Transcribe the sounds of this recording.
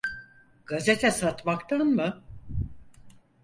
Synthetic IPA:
ɡ̥aze̞t̪ʰɛsat̪makt̪ʰanmɯ

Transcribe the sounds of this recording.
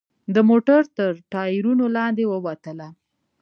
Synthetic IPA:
d̪əmoʈaɾt̪əɾʈɑiɾunolɑnd̪ewəwat̪əla

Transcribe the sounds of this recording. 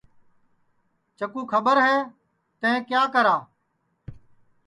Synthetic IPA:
t͡ʃəkuːkʰəɓəɾɦɛː | t̪ẽẽːkjaːkəɾãː

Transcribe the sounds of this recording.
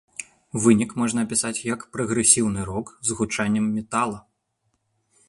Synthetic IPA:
vɨnʲikmɔʐnɐːpʲisat͡sʲjɐkpɾɐɣɾɛsʲiwn̪ɨɾɔkzɣut͡ʂanʲːɛmːʲɛt̪alˠɐ

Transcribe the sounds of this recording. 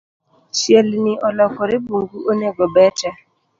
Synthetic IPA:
sieliniʔɔlɔkʊɾɪbuŋ̩ɡuʔoneɡobet͡ʃa

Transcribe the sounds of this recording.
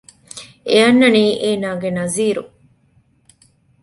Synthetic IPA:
eɐnːɐniːʔeːnaːɡenɐziːɾu

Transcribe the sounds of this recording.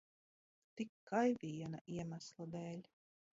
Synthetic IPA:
t̪ikːajvʲijɛnaʔiɛmæslˠad̪ɛːlʲ

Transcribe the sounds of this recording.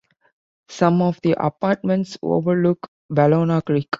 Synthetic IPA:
sʌ̃mɔʋd̪iʔə̰paːʈ̚mə̃ɳʈso̰ːʋəluk | bæloːnakɾik

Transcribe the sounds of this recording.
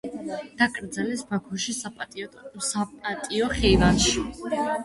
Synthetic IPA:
d̪̥akʼɾd̪zalɛsbakʰɔʃisapʼsapʼat̪ʼiɔχɛivanʃi

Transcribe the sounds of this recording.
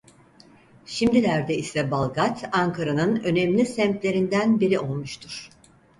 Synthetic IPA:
ʃimd̪ilʲæɾd̪ɛisɛbalˠɡat̪ʰaŋkʰaɾanɯnø̞nɛmlʲisɛmt̪lʲe̞ɾind̪ænbiɾio̞lˠmuʃt̪ʰuɾ̥

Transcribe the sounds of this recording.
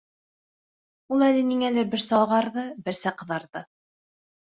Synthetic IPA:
ulˠælɘniŋælɘɾbɘ̆ɾsæɑʁɑɾðɤbɘ̆ɾsæqɤ̆ðɑɾðɤ

